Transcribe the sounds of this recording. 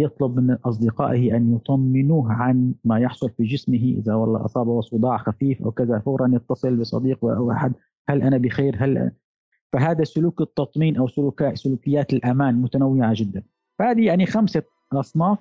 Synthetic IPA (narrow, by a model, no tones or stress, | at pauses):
jɑt̪ˤlʊbmɪnʔɑs̬ˤd̪ɪqɑ̰ːʔɪhɪʔanjʊt̪ˤɑmːɪnuːɦʕanmajɑħsˤʊlfid͡ʒɪsmɪɦiʔɪ̰ðawɑlˤːɑ̰ːʔɑ̰sˤɑːbawɑsˤʊd̪ˤɑːʕxafiːfʔa̰wkaðafaɣɾˤɑnjɑt̪ːɑsˤɨlbɨsˤɑ̰d̪iːqwɪʔawʔa̰ħad̪ | halʔanabɪxeːɾɦalʔ | faɦaːd̪asʊluːkɨt̪ːɑt̪ˤmiːnʔawsʊlukasʊluːkɪjːaːt̪ɪlʔamaːnmʊt̪anawːɪʕad͡ʒɪd̪ːan | fahaːd̪ijaʕnixamsa | ʔɑsˤnɑːf